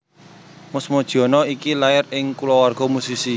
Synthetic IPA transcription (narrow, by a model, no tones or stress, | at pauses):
mʊsmɔd̥ʒ̥̤ɔ̤nɔikilaɪrɪŋkulɔwarɡ̥ɔ̤musisi